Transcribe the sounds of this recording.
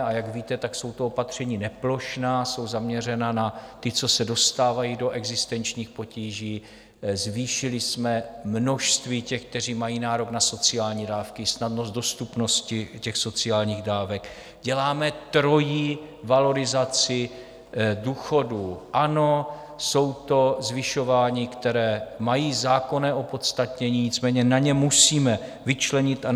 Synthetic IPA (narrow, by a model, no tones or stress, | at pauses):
ajaɡviːt̪ɛt̪akso̞wt̪oopat̪r̝̥ɛɲiːnɛplo̞ʃnaːso̞wzamɲɛrɛnanat̪ɪt͡so̞sɛdo̞st̪aːvajido̞ʔɛɡzɪst̪ɛnt͡ʃɲiːxpo̞ciːʒiː | zviːʃɪlɪsmɛmno̞ʃst̪viːcɛxk̚t̪ɛriːmajiːnaːɾo̞ɡnaso̞t͡sɪaːlɲiːdaːfkɪsnadnoszt̪do̞st̪upno̞scɪcɛxso̞t͡sɪaːlɲiːɣdaːvɛk | ɟɛlaːmɛt̪ɾo̞jiː | valo̞ɾɪzat͡sɪ | duːxo̞duʔano̞ | so̞wt̪o̞zvɪʃo̞vaːɲiːkt̪ɛɾɛːmajiːzaːko̞nɛːʔo̞po̞t̪st̪at̪ɲɛɲiːɲɪt͡smɛːɲɛnaɲɛmusiːmɛ | vɪt͡ʃlɛɲɪt̪a